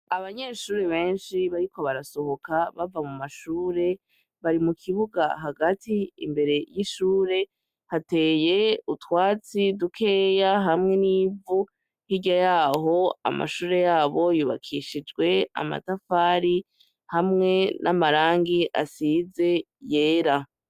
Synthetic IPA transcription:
aβaɲe̞ːʃuːɾe̞βe̞ːnʃiβaɾikʰo̞βaɾaso̞ho̞kaβavamumaʃuːɾe̞ | βaɾimukʰiβuɡaɦaɡatʰiḭmbe̞ɾe̞jiʃuːɾe̞ | hate̞ːje̞utwaːt͡sidukʰe̞ːjaɦamŋe̞niːvu | hiɟajaːɦo̞a̰ma̰ʃuːɾe̞jaːβo̞juːβa̰kʰiʃid͡ʒɡwe̞a̰ma̰tafaːɾi | hamŋe̞nʔamaɾaːŋɡiʔa̰size̞ | je̞ːɾa

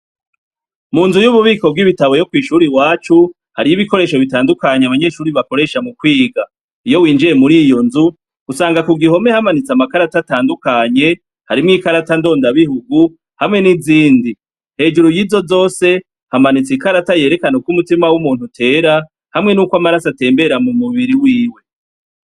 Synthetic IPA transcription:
muːnzujuβuβiːko̞b̚ɡiβitaβo̞jo̞kwiːʃuɾiwaːt͡ʃu | haɾijiβiko̞ɾe̞ːʃo̞βitaːndukaɲeaβaɲe̞ːʃuːɾiβako̞ɾe̞ʃamukwiːɡa | ijo̞wiːnd͡ʒiɾe̞muɾiːjo̞nzu | ɡ̥usaːŋɡakuɡiɦo̞me̞hamanit͡samakaɾatataːndukaɲe̞ | haɾimŋiːkaɾatando̞ːndaβihuɡu | hamŋe̞niziːndi | he̞ːd͡ʒuɾujizo̞zo̞ːse̞ | hamanit͡sikaɾataje̞ːɾe̞kanokumutimawumuːn̥hutʰe̞ːɾa | hamŋe̞nuːkwamaɾasate̞ːmbe̞ɾamumuβiɾiwiːwe̞

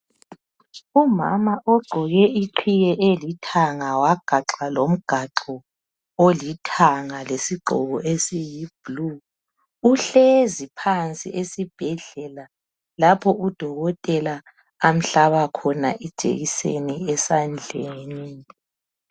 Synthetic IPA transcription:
uma̰maʔɔɡ͡ǃʱɔɣɛiǃʰiɣɛʔelitʰaŋawaɡ̥ʱaǁalom̩ɡ̥ʱaǁɔ | olitʰaŋalesiɡ͡ǃʱɔ̰ɣɔʔesijib̥lu | uɬezipʰant͡sʼḭʔesib̥ʱɛɮɛla | lapʰɔud̥ʱɔɣɔtʼɛla | am̩ɬaβakʰɔnaʔid̥ʒ̥ʱḛɣisḛniɛsand͡ɮʱeːni

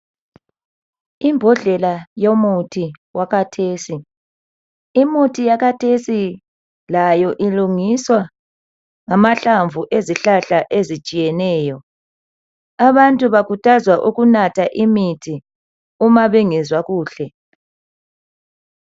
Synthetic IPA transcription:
imbʱɔɮɛlajomutʰiwaɣatʰeːsi | imutʰijaɣatʰesi | lajɔʔiluŋiswa | ŋamaɬaɱvuʔeziɬaɬaʔezit͡ʃʼijɛnɛːjɔ | aβantʼuβakʰutʰʼazwaʔuɣunatʰaʔimitʰi | umaβiŋizwaɣuːɬɛ

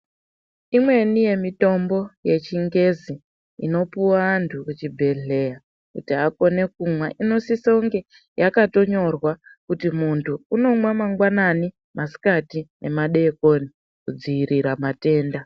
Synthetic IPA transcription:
imwe̞nije̞mito̞mbo̞je̞t͡ʃiŋɡe̞zi | ḭno̞puwaːntʰukut͡ʃibʱe̞ɮe̞ja | kutiɦako̞ne̞kumwaʔino̞sisouŋɡe̞ | jakato̞ɲo̞rwakutimuntʰuːno̞mwamaŋɡwanani | mʔasi̥katinʔe̞maɗe̞koːni | kud͡ziiɾiɾamate̞ːnda

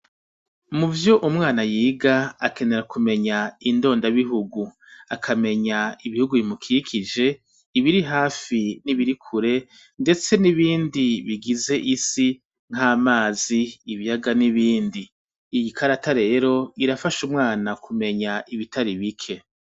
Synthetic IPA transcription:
muvjo̞ʔumŋaːnajiːɡaake̞ne̞ɾakume̞ɲaindo̞ːndaβiɦuɡu | akʰame̞ɲaiβihuɡuβimukʰikʰid͡ʒe̞ | iβiɾiɦaːfiniβiɾikʰuɾe̞ | nde̞t͡se̞niβiːndiβiɡize̞ʔisi | ŋ̥aːmaːziːβijaɡaniβiːndiː | jikʰaɾataɾe̞ːɾo̞iɾafaʃumŋaːnakʰume̞ɲaiβitaɾiβikʰe̞

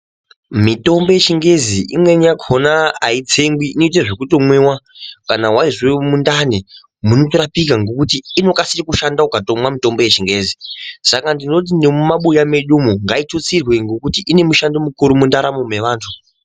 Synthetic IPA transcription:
mito̞mbo̞je̞t͡ʃiŋɡe̞ziʔḭmwe̞ɲakʰonaːit͡seŋɡwiinoit̬eʐekuto̞mwewakanawaiʐwemundane | munotoɾapikaŋɡo̞kutiːno̞kasirikuʃandakukato̞mwamito̞mbo̞jet͡ʃiŋɡe̞ːzisakandino̞t̬inemumaɓujame̞ɗumoŋɡaitot͡sirwe̞ŋɡo̞kutiʔine̞muʃandomukuɾumundaɾamome̞ʋaːntʰu

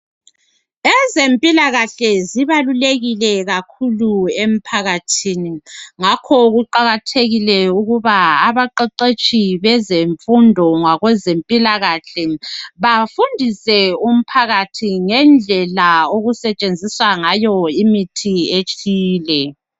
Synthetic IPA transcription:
ɛzempʼilaɣaɬɛziβaluleɣilɛɣakʰuluem̩pʰaɣatʰiːniŋakʰɔɣuǃaɣatʰeɣilɛuɣuβaːβaǃɛǃet͡ʃʼiβɛzeɱfundʱɔŋwaɣwɛzempʼilaɣaɬɛβafundʱisɛum̩pʰaɣatʰiŋɛnd͡ɮʱɛlaoɣusɛt͡ʃʼend͡zʱiswaŋajɔimitʰiet͡ʃʼiːlɛ

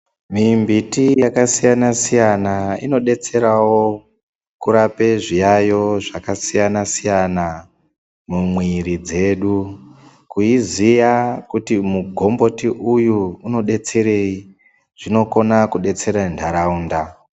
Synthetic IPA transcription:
mimbitijakasijanasijanaḭno̞ɗe̞t͡se̞ɾawo̞ | kuɾape̞ʐijajo̞ʐakasijanasijana | mumwiɾid͡ze̞ɗu | kuizijakutimuɡʱo̞mbo̞tiʔujuːno̞ɗe̞t͡se̞ɾe̞i | ʐ̥ino̞ko̞nakuɗe̞t͡se̞ɾandʱaɾauːnda

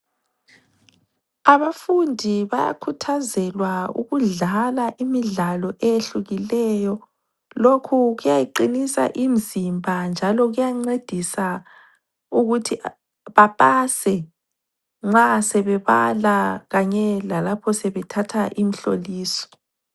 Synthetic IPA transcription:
aβafundʱiβaja̰kʰutʰazɛlwaṵɣuɮalaʔimiɮalɔʔejeɬuɣilɛjɔ | lokʰuɣujajiǃinisa̰ʔimizimbʱand͡ʒʱalɔɣujaŋ͡ǀed̥ʱisa | uɣutʰi | βapʼasɛ | ŋ͡ǁasɛβɛβalaɣaɲɛlalapʰɔsɛβɛtʰatʰaʔim̩ɬoliːsɔ̥

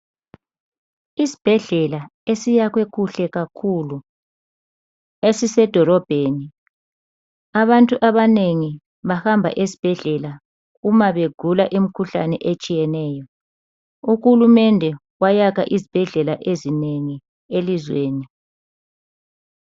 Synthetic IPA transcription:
isi̥b̥ʱɛɮɛlaesijaɣwekʰuɬɛɣakʰulu | esisɛd̥ʱɔlɔb̥ʱeːni | aβantʼuʔaβaneŋi | βahambʱa̰ʔesi̥b̥ʱɛɮɛla | umaβeɡ̥ʱulaʔim̩kʰuɬa̰nɛʔet͡ʃʼijɛnɛːjɔ | uɣulumɛndʱɛ | wajakʰa̰ʔizib̥ʱɛɮɛlaʔezineŋi | elizweːni

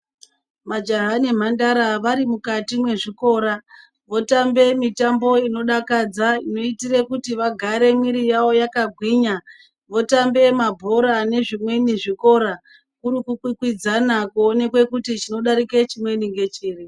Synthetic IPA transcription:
mad͡ʒaɦanim̤andaɾaʋaɾimukatimwe̞ʐiko̞ɾa | ʋo̞tambe̞mitambo̞ino̞ɗakad͡zaino̞itirekutiʋaɡʱaɾe̞miɾijawo̞jakaɡʱwiːɲa | ʋo̞tambe̞mabʱo̞ɾane̞ʐimwe̞niʐiko̞ɾa | kuɾukukwikwid͡zanakuone̞kwe̞kutit͡ʃino̞ɗaɾiket͡ʃimwe̞niŋɡe̞t͡ʃiːri

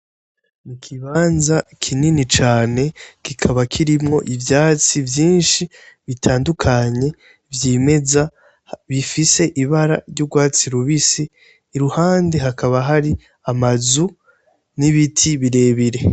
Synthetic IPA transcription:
nikʰiβaːnzakʰininit͡ʃaːne̞kikʰaβakʰiɾimŋo̞̰ʔivjaːt͡sivjiːnʃi | βitʰaːndukʰaɲe̞ | vjiːme̞za | βifise̞ʔiβaɾa̰ɾjuɡwaːt͡siɾuβisiː | ɾuhaːnde̞ɦakaβaɦaɾi | amazu | niβitʰiβiɾe̞ːβiɾe̞

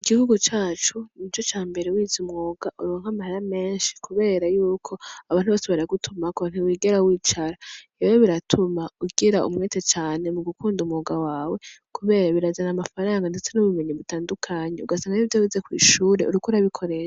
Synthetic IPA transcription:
iɡihuɡut͡ʃaːt͡ʃunit͡ʃo̞t͡ʃaːmbe̞ɾewiːzumŋo̞ːɡ̥aʔuɾoŋ̥hamahaɾame̞ːnʃi̥kuβe̞ːɾajuːkʰo̞aβaːnhuβaseβɾaɡutʰumakuan̥uwiːɡeɾawiːt͡ʃaɾaewoβiɾatʰumauɡeɾaʔṵmŋeːtet͡ʃaːne̞muɡukʰuːndumŋoɡawaːwe̞kʰuβe̞ːɾaβiɾazanamafaɾaːŋɡande̞t͡se̞nuβume̞ɲiβutaːndukʰaɲeuɡasaːŋɡajivjowizekwḭːʃuːɾe̞̰ʔuɾukuɾaβikʰo̞ɾeʃa

